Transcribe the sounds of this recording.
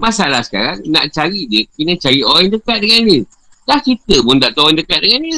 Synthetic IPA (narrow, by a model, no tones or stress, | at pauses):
mãsalahsə̥ka̰ɾaŋnãʔt͡ʃaɾidiəkinət͡ʃaɾiʔoɛŋdəkat̪̚dəŋandə | laht͡ʃit̪əpʊndaʔt̪oɛŋdəkat̪̚dəŋandə